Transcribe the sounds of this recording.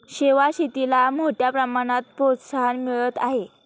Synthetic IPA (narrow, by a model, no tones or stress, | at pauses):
ɕeʋaɕit̪ilamoʈjapɾəmaɽ̃at̪̚pot̪saɦanmiɭət̪aɦe